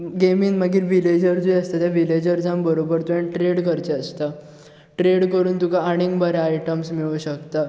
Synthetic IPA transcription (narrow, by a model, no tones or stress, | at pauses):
ɡemiːnməɡiːɾʋiled͡ʑəɾd͡zujəst̪at̪jaʋiled͡ʑəɾd͡zãmbəɾobəɾt̪uẽɳʈɾeɽkəɾt͡ɕeəst̪a | ʈɾeɽkəɾuːnt̪ukaːɽ̃iŋɡbəɾeaiʈəmsmiɭuːɕəkt̪a